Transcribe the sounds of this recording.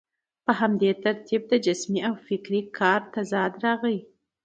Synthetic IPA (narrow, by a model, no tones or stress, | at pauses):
pəɦamd̪et̪aɾt̪ʰib̚d̪əd͡ʒɪsmiawfɪkɾikʰɑɾt̪azɑd̪ɾɑɣəi